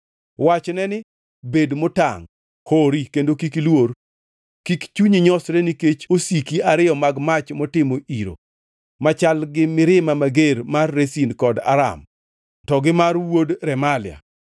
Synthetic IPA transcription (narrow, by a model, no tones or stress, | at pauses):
wat͡ʃnɛnɪ | bedmʊta̰ŋ | hoɾikendokikilwoɾ | kikt͡ʃuɲiɲɔsɾeniket͡ʃosikiaɾɪjɔmaɡmat͡ʃmɔtɪmoʔiɾo̰ | mat͡ʃalɡɪmɪɾɪmamaɡeɾmarːesinkɔda̰ɾa̰m | tɔɡɪmarwodɾɛmalɪa̰